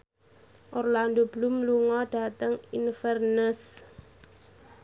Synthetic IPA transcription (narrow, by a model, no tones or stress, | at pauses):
ʔɔrlandob̥əlumluŋɔɖ̥a̤t̪əŋinfɛrnəs